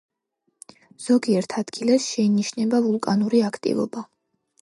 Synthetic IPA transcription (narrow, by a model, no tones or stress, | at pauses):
z̥ɔɡiɛɾt̪ʰad̪ɡilɛsʃɛiniʃnɛbavulˠkʼanuɾiakʰt̪ʼḭvɔ̰ba